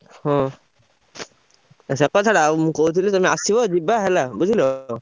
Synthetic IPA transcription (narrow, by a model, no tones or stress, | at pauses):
hɔ̃ | as̬ɛkɔsʰaɾamkowt̪̬ʰilɛtamiasibɔzibaɦɛlabuzʱilɔ